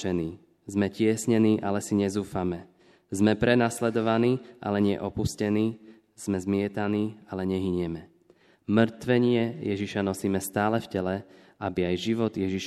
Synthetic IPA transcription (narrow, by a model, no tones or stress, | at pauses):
ɛniː | zmɛcɪɛsɲɛniːʔalɛsiɲɛzuːfamɛ | zmɛpɾɛnaslɛd̪ɔʋaniːʔa̰lɛɲɪɛ̰ʔɔpuscɛniː | z̥mɛzmɪɛt̪aniːalɛɲɛɦiɲɪɛmɛ | mr̩t̪ʋɛɲɪɛjɛʒiʃanɔsiːmɛst̪aːlɛfcɛlɛ | abiajʒiʋɔd̪jɛʒiʃ